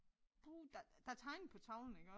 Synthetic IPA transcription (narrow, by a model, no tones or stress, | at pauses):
b̥ud̥ɑd̥ɑ̈t͡sʰɑ̈ɪnpʰɒt͡sʰɑ̈ʊln̩eɡ̥ɒ